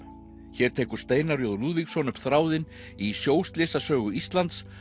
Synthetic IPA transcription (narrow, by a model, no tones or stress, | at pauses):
çɛːɾ̥t̪ʰeːkʏ̥st̪eːjnaɾrjoðʏluðviksɔnʏpθɾaːwðɪn | isjoːwst̪lɪːsasœːɣʏist̪lant̪s